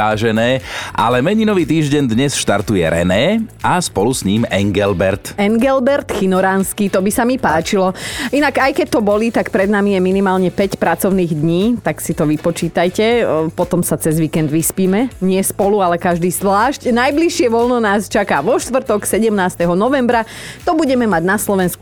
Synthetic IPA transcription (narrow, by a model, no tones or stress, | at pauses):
aːʒɛnɛːʔa̰lɛmɛɲinɔʋiːt̪iːʒɟɛnd̪ɲɛsʃt̪a̰ɾt̪ujɛ̰ɾɛ̰nɛːaspɔlusɲiːmɛŋɡɛlbɛɾt̪ɛŋɡɛlbɛɾt̪xinɔɾaːnskit̪ɔbisamipaːt͡ʃilɔinakajkɛc̚t̪ɔbɔlit̪akpɾɛd̪namijɛminimaːlɲɛpɛcpɾat͡sɔʊniːɣd̪ɲiːt̪aksit̪ɔʋipɔt͡ʃiːt̪ajcɛpɔt̪ɔmsat͡sɛzʋiːkɛnd̪ʋispiːmɛɲɪɛspɔlualɛkaʒd̪iːzʋlaːʃcnajbliʃɪɛʋɔlnɔnaːst͡ʃakaːʋɔʃt̪ʋr̩t̪ɔksɛɟɛmnaːst̪ɛɦɔnɔʋɛmbɾa | t̪ɔbuɟɛmɛmaɟnaslɔʋɛnsku